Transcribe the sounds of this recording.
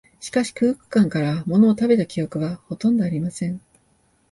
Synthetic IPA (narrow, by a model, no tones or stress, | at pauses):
ɕi̥kaɕi̥kɯ̟ːkɯ̟̥kãŋkaɾamo̞no̞ːt̪abe̞t̪akʲijo̞kɯ̟βaho̞t̪õ̞nd̪o̞aɾʲimasẽ̞ɴ